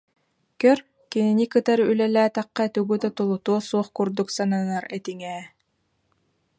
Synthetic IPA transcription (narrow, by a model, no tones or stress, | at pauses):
kœɾ | kininikɯt̪aɾylɛlæːt̪aqːat̪yɡyt̪at̪ulˠut̪uɔsuɔχkuɾd̪uksananaɾɛt̪iŋɛː